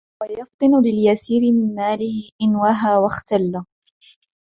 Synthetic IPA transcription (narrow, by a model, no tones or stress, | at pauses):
wajɑft̪ˤɨnʊlɪljasiːɾɪmɪnmaːlɪhɪʔɪnwaɦaːwaxt̪alː